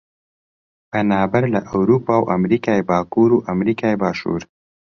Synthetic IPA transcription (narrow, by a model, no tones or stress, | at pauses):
pɐnaːbɐɾlaʔawɾuːpaːwʔa̰mɾiːkaːebaːkuːɾuːʔamɾiːkaːebaːʃṵːɾ